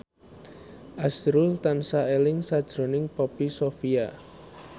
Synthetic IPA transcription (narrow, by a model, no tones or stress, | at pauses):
ʔasɾult̪ansaelɪŋsad̥ʒ̥ɾo̤nɪŋpɔpisofia